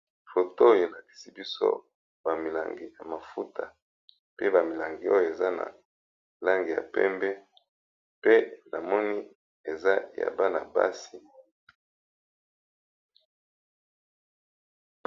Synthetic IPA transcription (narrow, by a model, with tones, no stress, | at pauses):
fo˨to˦je˨la˨ti̥˨si˦bi˦so̰˦ | ba˨mi˨la̰˨ŋɡi˨ja˨ma˨fu˦tʰa˨ | pe˦ba˨mi˨la˨ŋɡi˨o˦jo˨e˨za˦na̰˨ | la˦ŋɡi˨ja̰˨pɛ̰˦mbɛ˦ | pe˦nʔa˨mɔ˦ni˦ | e˨za˦ja̰˨ba˦na̰˨ba̰˦si˨